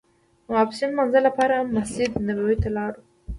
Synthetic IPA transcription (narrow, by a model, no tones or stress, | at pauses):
wɑpsinmanzalːapɑɾaamːasid̪nabawit̪alɑɾu